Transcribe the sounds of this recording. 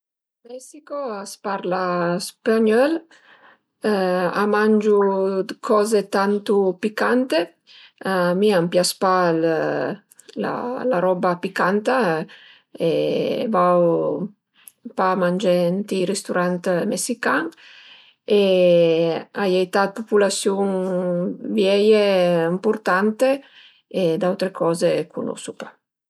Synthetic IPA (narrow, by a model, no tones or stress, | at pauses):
mɛsikoaspaɾlaspaɲɔl | a̰mand͡ʒud̪kʰɔːzet̪ant̪upikant̪e | miampjaspal | la̰laɾɔbapikant̪a | evaw | pamand͡ʒɛnt̪iɾest̪uɾant̪mesikaŋ | e | ajejt̪at̪̚populasjuŋ | vjɛjeimpuɾt̪ant̪e | ed̪awt̪ɾekʰɔːzekʰunɔ̰supḁ